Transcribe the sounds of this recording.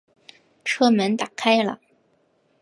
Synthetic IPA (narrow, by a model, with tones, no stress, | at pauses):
ʈ͡ʂʰɤ˥mə˧˥nt̪a˨˩kʰa˥ɪlə̰˨˩